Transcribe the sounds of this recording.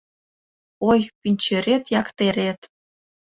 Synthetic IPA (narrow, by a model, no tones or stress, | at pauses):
ojpinʲt͡ɕø̆ɾet̪jɑkt̪eɾʲet̪